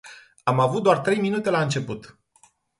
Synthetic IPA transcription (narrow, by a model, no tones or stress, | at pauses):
amavut̪̚d̪oart̪ɾe̞jminut̪e̞laɨnt͡ʃe̞put̪